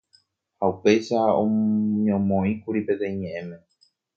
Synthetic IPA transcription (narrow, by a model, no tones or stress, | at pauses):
haupe̞jʃaõ̰ɲõmõĩkuɾipe̞t̪ẽ̞ĩɲẽʔẽmẽ̞